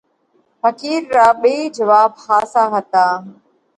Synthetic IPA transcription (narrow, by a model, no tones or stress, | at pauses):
fəkiːɾːaːɓeid͡ʒəʋaːb̚haːsaːɦət̪aː